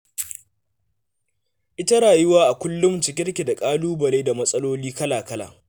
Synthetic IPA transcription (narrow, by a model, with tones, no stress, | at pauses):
ʔɪ˦tɐ˦ɽaː˨jʊ˦waː˦ʔa˨kʷʊ˦lːʊ˦mt͡ʃɪ˨˦kʲɪ˦rkʲi˨da˨kʼaː˦luː˦bɐ˨leː˦da˨mɐ˦sʼɐ˦loː˦liː˦kɐ˦laː˨kɐ˦la̰ː˨